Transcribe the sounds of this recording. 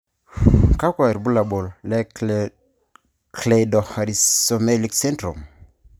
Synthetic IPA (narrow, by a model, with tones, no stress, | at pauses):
ka˦kwa˨ɾbu˦la˨bo˨ll | kle˨dɔ˨ha˨ɾio˨me˦li˨kse˦ntɾo˨m